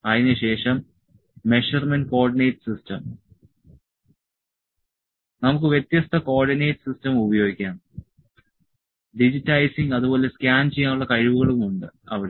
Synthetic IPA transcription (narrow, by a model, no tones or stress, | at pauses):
ɐðinɨɕe̞ːʂɐmː | e̞ʂɐrmenɖko̞ːrɖinejʈsistɐm | nɐmukːɨʋjet̪jɐst̪ʰɐko̞ːrɖineːʈsistɐmubɐjo̞ːɡikʲːaːn | ɖid͡ʑitːɐjsiŋɡɐðubo̞ːle̞skʲaːnt͡ɕejːaːnuɭːɐkɐɻiʋuɣɐɭumuɳɖɨɐʋiɽe